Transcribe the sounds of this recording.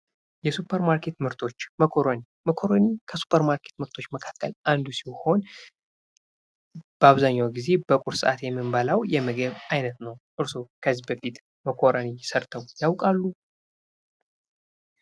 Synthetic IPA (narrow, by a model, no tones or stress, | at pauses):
jɛsupʰːəɾmaɾkʰe̞t̪mɨɾt̪ʰo̞t͡ʃːməkʰoɾoni | məkʰo̞ɾonikʰəsu̥pʰəɾmaɾkʰe̞̥t̪mɨɾt̪ʰo̞t͡ʃːməkʰḁkʰːə̰lʔand̪usiho̞n | b̥əaβzaɲːawɡize̞bəkʼuɾsɨʔa̰t̪jɛmːɨmbəlawjɛməɡəβajnət̪nəwʔɨɾsokʰəzːibəfit̪ | məkʰo̞ɾənijɪsəɾt̪ʰəwjawkʼalːu